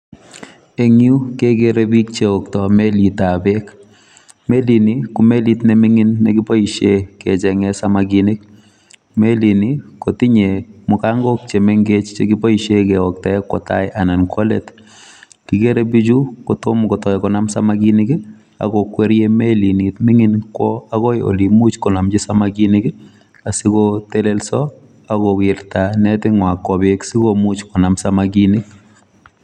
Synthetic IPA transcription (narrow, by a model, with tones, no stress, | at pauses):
e˨ŋju˦ke˦ke˦ɾe˦bi˦k̚t͡ʃe˨ɔ˨ktɔ˨me˦li˨ta˨bek | me˦li˨ni˨kʊ˨me˦litnɛ˦mi˦ŋi˦nːe˦ɡi˦po˦iʃe˦kɛ˨t͡ʃɛ˨ŋɛ˦samaɡini˦k̚ | me˦li˨niko˨ti˦ɲe˨mʊka˦ŋɡɔ˦k̚t͡ʃe˨me˦ŋɡe˦t͡ʃt͡ʃe˦ɡi˦po˦iʃe˦kɛɔk̚tɔ˨ɛ˦kːɔ̰˨ta̰˦jʔa˨na˨nkɔ˦lḛ˨t | ti˨ke˦ɾe˦bi˦d͡ʒu˦kɔ˨tʊ˦mkɔ˨tɔ˨jɛkɔ˨na˦msa˦maɡi˦nɪ˦kɪ˦ | a̰˨kɔkwe˦ɾje˦me˦li˨ni˨tmɪ˦ŋɪ˦nkwɔ˦a˦ɣɔ˦jo̰˨li˨mu˦t͡ʃkɔ˨na˨md͡ʒɪ˦samaɡi˦nɪkɪ˦ | a˨si˦kote˦le˦lsɔ | akɔ˨wɪɾtanɛ˦tɪ˦ŋwa˨kːɔ˨be˦ksi˦komu˦t͡ʃkɔ˨namsa˦maɡinɪ˦k